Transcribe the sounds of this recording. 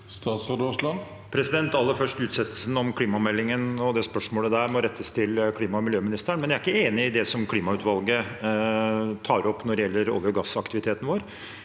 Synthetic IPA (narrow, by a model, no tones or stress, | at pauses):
st̪ɑːt̪sʁɑd̪ɔslɑn | pʰɾɛsɪd̪ɛnt̪ɑlːəɾfœʂʈʉːt̪sɛt̪ːəl̩sn̩ɔmkʰliːmɑmɛlːɪŋənɔd̪ɛspœʂmoːləd̪æːɾmɔɾɛt̪ʰːəst̪ʰɪlkʰliːmɑmɪljøːmɪnɪst̪əɾəɳmɛnjæɾɪkːəeːnɪɪd̪ɛsɔmkʰliːmɑʉːt̪ʋɑlɡə | t̪ʰɑːɾɔpːnɔɖɛjɛlːəɾo̰ːljʊɡɑsːɑkt̪ɪʋɪt̪ʰeːt̪n̩ʋoːɾ